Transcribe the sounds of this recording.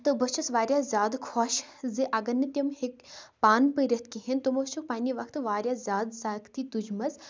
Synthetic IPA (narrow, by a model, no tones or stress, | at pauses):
t̪ɨbɐt͡ʃʰɐsʋaːɾʲjaːzʲaːd̪kʰoːʃziʔɐɡɐɾnɨt̪ʲɐmhekpaːnpəɾʲɐt̪̚ʰkiɦint̪omot͡ʃʰukpaːnʲiʋɐkʰt̪ɨʋaːɾjaːzʲaːd̪saːkt̪it̪ud͡ʒmɐz